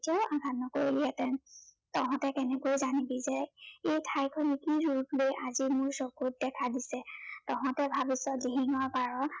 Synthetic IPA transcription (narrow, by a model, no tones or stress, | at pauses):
tiaʊ̃aɡʱatnɔkoɹiliɛtɛ | tɔɦɔ̃tɛkɛnɛkojzanibizɛejtʰajkʰɔnikiɹulblojʔazimʊɹsɔkut̚dɛkʰadisɛtɔɦɔ̃tɛbʱabisɔdiɦiŋɔɹpaɹɔ